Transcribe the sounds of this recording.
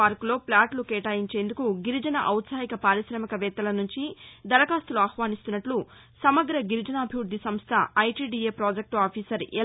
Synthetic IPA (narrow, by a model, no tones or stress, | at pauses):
aːɾklo̞ːplaːʈlukeːʈaːjiɲt͡ʃe̞ːnd̪ukuɡiɾid͡ʒɐnɐ̰ʔɐwt̪saːjikɐpaːɾiʃɾɐmɐkɐʋɛːt̪ːɐlɐnuɲt͡ʃid̪ɐɾɐkaːst̪uluaːxʋaːnist̪unːɐʈlu | sɐmɐɡɾɐɡiɾid͡ʒɐnaːbʱiʋuɾd̪isɐmst̪ʰɐɐjʈiːɖiːeːpɾoːd͡ʒek̚ʈaːpʰiːsɐɾɛ